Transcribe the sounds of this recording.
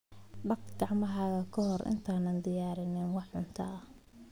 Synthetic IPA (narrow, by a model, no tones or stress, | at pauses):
ɖɐkɡɑʕmɐɦɐɣɐkʰɔɦɔrʔɪ̰nt̪ʰaːnɐnd̪ɪjaːɾɪnɛnwɑħʊnt̪ʰɐɐ